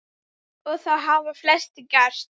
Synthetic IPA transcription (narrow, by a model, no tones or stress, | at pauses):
ɔɣθawɦaːvʏɾflɛst̪ɪcḁst̪